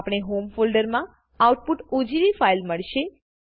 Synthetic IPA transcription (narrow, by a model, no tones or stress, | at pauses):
pɽ̃eɦomfolɖəɾmã | auʈ̚puʈud͡ʒiɾifailməɭʃe